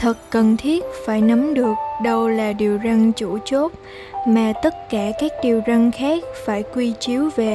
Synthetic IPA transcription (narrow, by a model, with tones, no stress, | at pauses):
t̪ʰɨ˨˩t̚kə˨˩nt̪ʰi˦˥ət̚faː˧˩jnə˨˦mɗɨ˨˩ək̚ɗə˧wlaː˨˩ɗi˨˩əwzə˧ŋt͡ɕu˧˩t͡ɕo˦˥t̚ | maː˨˩t̪ə˦˥t̚kaː˧˩kaː˦˥k̚ɗi˨˩əwzə˧ŋxaː˦˥k̚faː˧˩jkwi˧t͡ɕi˨˦əwve˨˩